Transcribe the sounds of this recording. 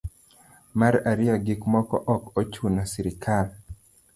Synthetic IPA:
maɾaɾɪjaɡikmɔkɔ̰ʔɔkot͡ʃunasiɾɪkʰal

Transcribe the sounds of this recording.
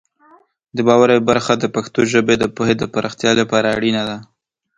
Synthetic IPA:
d̪əbɑwaɾajbaɾxad̪əpaxt̪oʒəbed̪əpohed̪əpaɾɑxt̪jɑlapɑɾaːɽinad̪a

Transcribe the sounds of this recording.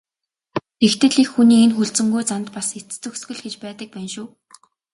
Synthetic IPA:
t̪ext̪ɘ̆ɮikxːuniːenxuɮt͡sɘ̆ŋɡujt͡sant̪paset͡st͡sɵ̆ksɡɵ̆ɮɡet͡ɕpæːt̪ə̆k̚pæːnʃʊː

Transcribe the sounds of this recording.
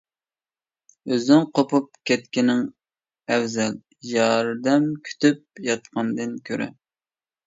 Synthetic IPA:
øzɪŋqʰopʰup̚kʲʰɛt̪̚kʲɪnɪŋ | ɛwzɛl | jɑɾd̪ɛmkʲʰy̥t̪ʰyp̚jɑt̪̚qɑnd̪ɨnkʲʰøɾɛ̰

